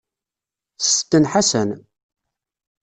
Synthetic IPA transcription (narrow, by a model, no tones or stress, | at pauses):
θt̪ːənħasən